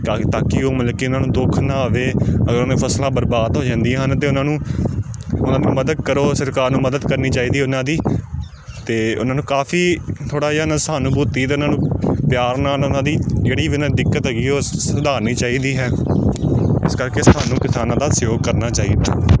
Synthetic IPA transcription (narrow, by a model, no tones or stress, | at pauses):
kaːt̪aːkiːoːmələkːiːʊnãːnũːd̪oːkʰnãːʋeːəɡəɾãːĩːpʰəslãːbəɾbaːd̪ɦoːd͡ʒãːnd̪iãːɦənt̪eːʊnãːnũː | ʊnãːd̪iːməd̪əd̪̚kəɾoːsəɾkaːɾnũːməd̪əd̪kəɾniːt͡ʃaːiːd̪iːʊnãːd̪iː | t̪eːʊ̰naːnũːkaːpʰiːt̪ʰoːɽaːnãːsaːnũbuːt̪iːt̪̬eːʊnãːnũːpjaːɾnãːnʊnãːd̪iːd͡ʒeːɽiːʋɪnãːd̪ɪkːət̪ɦɡiːɦoːsəd̪aːɾniːt͡ʃaːiːd̪iːɦɛː | ɪ̰skəɾkeːsaːnũːkɪsaːnãːd̪aːsjoːɡ̚kəɾnaːt͡ʃaːḭːd̪a̰ː